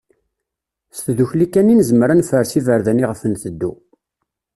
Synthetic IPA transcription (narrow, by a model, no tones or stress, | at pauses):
st̪ðuçlikːænːinzəmɾanfəɾsivəɾðæniʁəfənθəd̪ːu